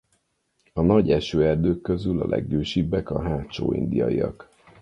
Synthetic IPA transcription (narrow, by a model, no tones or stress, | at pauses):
ɒnɒɟɛʃøːɛrd̪øːkːø̞zylɒlʔɛ̰ɡːøːʃibːɛkɒɦaːtt͡ʃoːḭnd̪ijɒijɒk